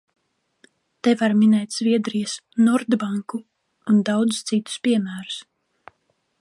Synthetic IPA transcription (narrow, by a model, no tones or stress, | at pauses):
t̪ɛvaɾminɛjt̪ʲz̥viɛd̪ɾijɐsnɔɾd̪baŋkuː | nd̪awd̪zst̪sit̪u̥spʲiɛmæːɾu̥s